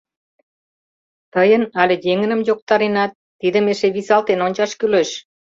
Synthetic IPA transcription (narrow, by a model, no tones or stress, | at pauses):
t̪əjənɑlʲejeŋə̆nə̆mjok̚t̪ɑɾenɑt̪ːid̪ə̆meʃeβisɑlt̪enonʲt͡ɕɑʃkyleʃ